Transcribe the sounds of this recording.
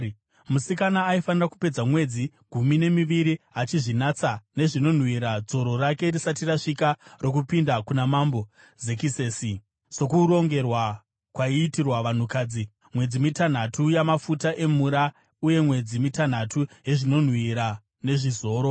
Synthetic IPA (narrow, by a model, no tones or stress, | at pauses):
musikanaːifaniraku̥pe̞d͡zamwe̞d͡zi | ɡʱumine̞miʋiɾiat͡ʃiʐinat͡sane̞ʐino̞n̤wiɾad͡zo̞ɾo̞rake̞risatiraʂikaro̞k̬upindakunamambo̞ | ze̞kiseːsi | so̞kuɾo̞ŋɡe̞rwa | kwaiːtirwaʋan̤ukaːd͡zi | mwe̞d͡zimitan̤atujamafutaʔe̞m̤uɾa | uje̞mwe̞d͡zimitan̤atʰuje̞ʐino̞n̤wiɾa | ne̞ʐizo̞ːɾo̞